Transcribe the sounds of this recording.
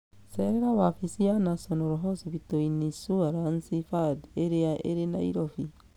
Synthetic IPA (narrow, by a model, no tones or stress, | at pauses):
sɛɾɛɾawafisianasɔnɔɾɔɦɔsiβitoinisuaɾansifadeɾeaʔḛɾenaḭɾɔfi